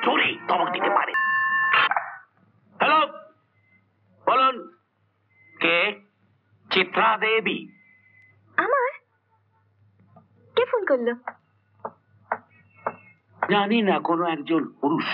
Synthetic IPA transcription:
toɾit̪ɔmɔkdit̪epa̰ɾḛ | helo | bɔlun | ke | t͡ʃit̪ɾad̪ebi | amaɾ | kepʰonkoɾlo | d͡ʒaninakonoɛkd͡ʒɔnpuɾuʃ

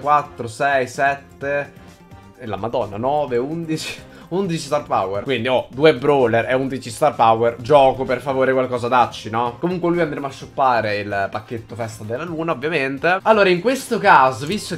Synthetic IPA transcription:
kwat̪ːɾosɛjsɛt̪ːe | ela̰mad̪ɔnːa̰nɔːveund̪it͡ʃi̥ | und̪it͡ʃist̪arpa̰werkwind̪iɔd̪uebɾɔlːeɾɛund̪it͡ʃist̪arpawerd͡ʒɔːkoperfavoːɾekwalkɔːzad̪at͡ʃːinɔkomuŋkwelujand̪ɾemaʃːupːaːɾeilpakːet̪ːofɛst̪ad̪elːaluːnaovːjament̪ealːoːɾaiŋkwest̪okaːzovist̪o

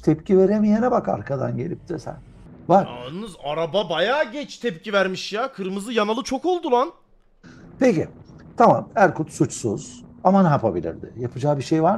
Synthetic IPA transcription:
t̪ʰɛpcʰive̞ɾemijenɛbaka̰ɾkʰad̪a̰nɟe̞lʲip̚t̪ʰisæ̰n | vaɾa̰nɯzaɾababajaːɟɛt͡ʃt̪ʰɛpcivæɾmiʃjakʰɯɾmɯzɯjanalˠɯt͡ʃʰo̞ko̞lˠd̪ulˠan | pecit̪ʰamamæɾkʰut̪sut͡ʃsuz̥amanɦapʰabilʲḭɾd̪ɪjapʰɯd͡ʒaːbiʃejvaɾ

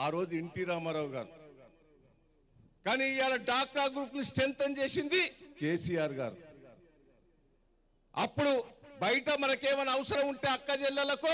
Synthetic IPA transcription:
aːɾo̞ːd͡ʒueɳʈiːɾaːmɐɾaːwɡaːɾu | kaːniaːlɐɖaːk̚ʈaːɡɾuːpnisʈent̪ɐnd͡ʒe̞ːsind̪ikeːsijaːɾɡa̰ːɾu | ɐ̰pːuɽubɐjʈɐmɐnɐkeːʋɐnɐɐʋɐsɐɾɐmuɳʈe̞ːɐkːɐd͡ʒɛlːɐlɐku

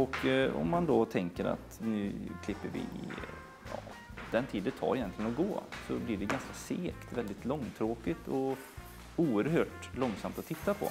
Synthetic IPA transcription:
ɔkɔ̰mːand̪ɔt̪ʰɛŋkəɾa̰t̪nʉ̟ːkʰlɪpːəɾvɪ̰ɪ | jɑ̰ː | d̪̥ɛnt̪ʰiːd̪ət̪ʰɑ̰ːɾɛjɛnt̪lɪɡənɔɡoːsɔ̰blɪɖɛɡanskaseːkt̪vɛld̪ɪt̪lɔŋːt̪ʰɾoːkɪt̪ʰɔ | uːəɾɦøːʈlɔŋːsamt̪ɔt̪ʰːɪt̪ːapʰɔ̰

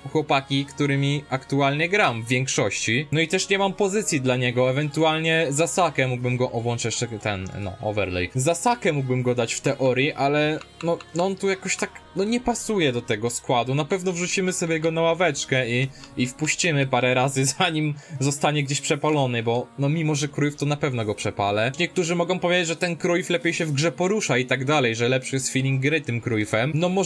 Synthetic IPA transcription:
xwɔpakʲikt̪uɾɘmʲiakt̪ualɲɛɡɾamvːʲjɛŋkʂɔɕt͡ɕinɔit̪ɛʂɲɛmampɔzɘt̪sʲjid̪laɲɛɡɔɛvɛnt̪ualɲɛzasakɛmuɡ̚bɘmɡɔʔɔwɔnt͡ʂɛt̪ɛnnɔ̰ʔɔ̰vɛ̰ɾlɛ̰jzasakɛmuɡ̚bɘmɡɔd̪at͡ɕft̪ɛʔɔɾjiʔalɛnɔnɔɔnt̪ujakɔɕt̪aknɔɲɛpasujɛd̪ɔt̪ɛɡɔskwad̪unapɛvnɔvʐut͡ɕimɘsɔbʲjɛɡɔnawavɛt͡ʂkɛiːfpuɕt͡ɕimɘpaɾɛɾazɘzaɲimzɔst̪aɲɛɡd͡ʑeɕpʂɛpalɔnɘbɔnɔmʲimɔʐɛkɾujft̪ɔnapɛvn̪ɔɡɔpʂɛpalɛɲɛk̚t̪uʐɘmɔɡɔ̃w̃pɔvʲjed͡ʑad͡ʑʲʐɛt̪ɛnkɾujflɛpʲjejɕɛvɡʐɛpɔɾuʂait̪aɡd̪alɛjʐɛlɛpʂɨjɛst̪fʲilʲiŋɡːɾɘt̪ɘmkɾujfɛmnɔmɔ

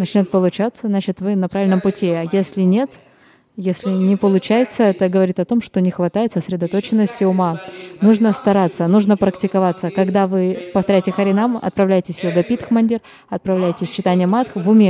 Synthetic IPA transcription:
nɐt͡ɕnʲot̪̚pəlˠʊt͡ɕat̪səznat͡ɕɪt̪vɨnɐpɾavʲɪlʲnəmpʊtʲiajesʲlʲɪnʲe̞t̪ | jesʲlʲɪnʲɪpəlˠʊt͡ɕæjɪt̪səɛt̪əɡəvɐɾʲit̪ɐt̪o̞mʂt̪o̞nʲɪxvɐt̪ajɪt̪səsʲɾʲɪd̪ɐt̪o̞t͡ɕɪnːəsʲtʲɪʊmanuʐnəst̪ɐɾat̪sːənuʐnəpɾəktʲɪkɐvat̪sːəkɐɡd̪avɨpəft̪ɐɾʲæjtʲɪxɐɾʲɪnamɐ̰t̪̚pɾɐvlʲæjɪtʲɪsʲjoɡ̪ɐpʲit̪xmɐnʲdʲir | ɐt̪̚pɾɐvlʲæjtʲɪsʲt͡ɕɪt̪anʲɪjəmat̪xvʊmʲe

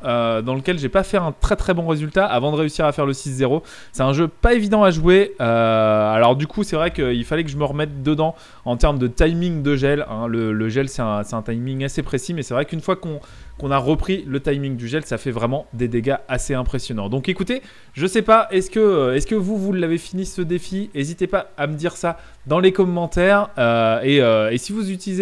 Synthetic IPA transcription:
ød̪ɑ̃ləkʲɛlʒepafɛɛ̃t̪χɛt̪χɛbɔ̃ʁezylt̪aʔavɑ̃d̪əʁeysiʁafɛʁləsiszeʁo | sɛt̪ɛ̃ʒøpaevid̪ɑ̃aʒuweøalɔʁd̪ykʰusɛvʁɛkəilfalɛkəʒəməʁəmɛt̪̚d̪əd̪ɑ̃ | ɑ̃t̪ɛʁməd̪ət̪ajmĩŋd̪əʒɛlɛ̰̃lələʒɛlsɛt̪ɛ̃sɛt̪ɛ̃t̪ajmiŋasepχesimɛsɛvʁɛkynfwakɔ̃ | kɔ̃naʁəpχilət̪ajmiŋd̪yʒɛlsafɛvʁɛmɑ̃d̪ed̪eɡaaseɛ̃pχesjɔnɑ̃d̪ɔ̃kekut̪e | ʒəsɛpaʔɛskəɛskəvuvulːavefinisəd̪efiezit̪epaaməd̪iʁsa | d̪ɑ̃lekɔmːɑ̃t̪ɛːʁøeøesivuzyt̪ilize

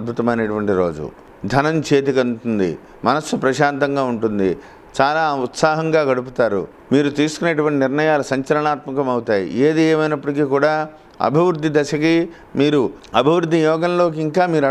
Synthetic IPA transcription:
bʱut̪ɐmɐneːʈuʋɐɳʈiɾo̞ːd͡ʒṵ | d̪ʱɐnɐmt͡ʃe̞ːt̪̬ikɐnʈund̪ḭ | mɐnɐsːupɾɐʃaːnt̪ɐŋɡaːuɳʈund̪i | t͡ʃaːlaːut̪saːɦɐŋɡaːɡɐɽup̬ut̪aːɾṵ | miːɾut̪iːsu̥kuneʈuʋɐɳʈinɪɾɳɐjaːlusɐɲt͡ʃɐɾɐɳaːt̪mɐkɐmɐwut̪aːjḭeːd̪ieːmɐjnɐpːɐʈikiːkuːɽaː | ɐ̰bʱiʋɾud̪ʱːid̪ɐʃɐki | miːɾuɐbʱiʋɾud̪ʱːijɔːɡɐnlo̞ːk̬iiŋkaːmiːɾɐ

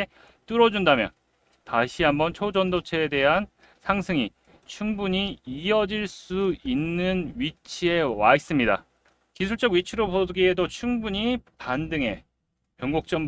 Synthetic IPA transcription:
t͈uɾʌd͡ʑundamjʌ̰n | taɕʰiɦambʌnt͡ɕʰod͡ʑʌndot͡ɕʰe̞ːde̞ɦan | sʰaŋsʰɯŋi | t͡ɕʰuŋbuɲiiʌd͡ʑiɭs͈uinːɯnɥit͡ɕʰie̞wais͈ɯmɲida̰ | kisʰuɭt͡ɕ͈ʌɡwɥit͡ɕʰiɾoboɡie̞dot͡ɕʰuŋbuɲipandɯŋe̞̰ | pjʌŋɡuk̚t͡ɕ͈ʌm

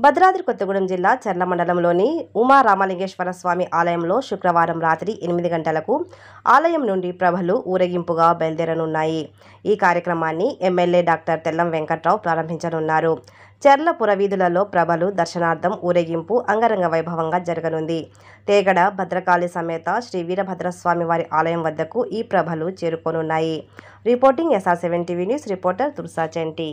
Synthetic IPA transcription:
bʱɐd̪ɾaːd̪ɾikot̪ːɐɡuɽɐmd͡ʒilːaːt͡ʃɛɾlɐmɐɳɖɐlɐmlo̞ːniumaːɾaːmaːlɐŋɡeːʂʋɐɾɐsʋaːmiʔaːlɐjɐmlo̞ːʃukɾɐʋaːɾɐmɾaːt̪ɾiʔenimid̪iɡɐɳʈɐlɐku | a̰ːlɐjɐmnuɳɖipɾɐbʱɐluʔuːɾɐɡimpuɡaːbeld̪ɛɾɐnunːaːji | iːkaːɾjɐkɾɐmaːnːiʔemːelːeːɖaːk̚ʈɐɾt̪ɛlːɐmʋeŋkɐʈɾɐːwpɾaːɾɐmbʱiɲt͡ʃɐnunːaːɾu | t͡ʃɛɾlɐpuɾɐʋiːd̪ulɐlo̞ːpɾɐbʱɐlud̪ɐɾʃɐnaːɾd̪ʰʱɐmuːɾɐɡimpuʔɐŋɡɐɾɐŋɡɐʋɐjbʱɐʋɐŋɡaːd͡ʒɐɾɐɡɐnund̪i | t̪ɛːɡɐɽɐbʱɐd̪ɾɐkaːlisɐmɛːt̪aʃɾiːʋiːɾɐbʱɐd̪ɾɐsʋaːmiʋaːɾiʔaːlɐjɐmʋɐd̪ːɐkuʔiːpɾɐbʱɐlut͡ʃeːɾukoːnunːaːji | ɾipoːɾʈiŋɡesaːɾseʋeɳʈiʋiːnjuːsɾipoːɾʈɐɾt̪uɾsaːt͡ʃeɳʈi

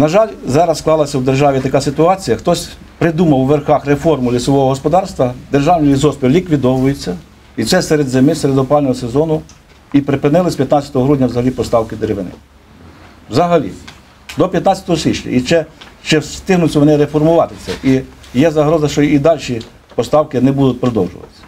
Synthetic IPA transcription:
nɐʒɑlʲzɑɾɐssklˠɑlˠɐsʲɐwd̪erʒɑʋʲit̪ɐkɑsɪt̪ʊɑt͡sʲijɐxt̪ɔsʲ | pɾɪd̪umɐwʋerxɑxrefɔrmʊlʲisɔʋɔɦɔɦɔspɔd̪ɑrst̪ʋɐd̪erʒɑwnʲijʲizɔspʲiwlʲikʋʲid̪ɔʋʊjet͡sʲːɐ | it̪sɛsɛɾed̪zemɪseɾed̪ɔpɑlʲnɔɦɔsezɔnʊ | ipɾɪpɪnɪlˠɪsʲpʲjɐt̪nɑt͡sʲːɐt̪ɔɦɔɦɾudʲnʲɐwzɐɦɐlʲipɔst̪ɑwkɪd̪eɾeʋɪnɪ̰ | wzɐɦɐlʲḭ | d̪ɔpʲjɐt̪nɑt͡sʲɐt̪ɔɦɔsʲʋʲit͡ʃnʲɐ̰it͡ʃɛt͡ʃɪsst̪ɪɦnʊt͡sʲːɐʋɔnɛɾefɔrmʊʋɑt̪ɪt͡sʲɛ̰ʔijɛzɐɦɾɔzɐʃt͡ʃɔid̪ɑlʲʃʲi | pɔst̪ɑwkɪnɛbud̪ʊt̪ʲpɾɔd̪ɔwʒʊ̰ʋɐt̪sʲɐ̥

